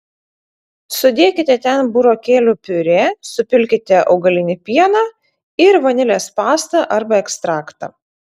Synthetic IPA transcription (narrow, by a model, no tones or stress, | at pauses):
sʊd̪ʲeːkʲɪt̪ʲɛt̪ʲɛnbʊɾoːkʲeːlʲʊpʲʊɾʲeːsʊpʲɪlʲkʲɪt̪ʲɛʔɐ̰ʊɡɐlʲɪnʲɪpʲiɛnɑː | ɪɾʋɐnʲɪlʲeːspɑːst̪ɐʔɐɾbɐɛkst̪ɾɑːkt̪ɐ̰